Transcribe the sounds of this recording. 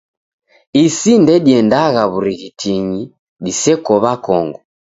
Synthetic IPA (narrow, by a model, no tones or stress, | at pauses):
isindɛɗiɛndaɣaβuɾiɣitʰiɲi | ɗisɛkɔβakɔŋɡɔ